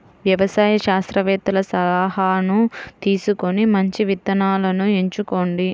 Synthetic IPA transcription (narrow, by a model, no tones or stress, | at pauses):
ʋjɐʋɐsaːjɐʃaːst̪ɾɐʋɛːt̪ɐlɐsɐlaːɦɐnut̪iːsuko̞nimɐɲt͡ʃiʋit̪ːɐnaːlɐnueɲt͡ʃuko̞ːɳɖi